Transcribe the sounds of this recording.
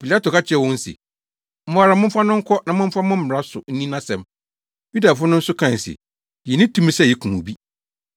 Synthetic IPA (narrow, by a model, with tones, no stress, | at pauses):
pi˨la˦to˨ka˦t͡ɕʰɪ˦ɛ˨˦wɔ̃˦n̩˦sɪ̰˨ | m̩˦mʊ̃˨a˨ɾa˨mʊ̃˦m̩˦fa˦nʊ̃˦ŋ̩˦kʰɔ˦nã˨mʊ̃˦m̩˦fa˦mʊ̃˦m̩˦m˨ɾa˦sʊ˨n̩˦nĩ˦nã˦sɛ̃˨m | ju˦da˨fʊ˦nʊ̃˦n̩˦sʊ˦kʰã˦˨sɪ̰˨ | jɛ˨nɪ̃˦tʰũ˦m̃˦sɛ˦˨jɛ˨kʰũ˨u˨bi˦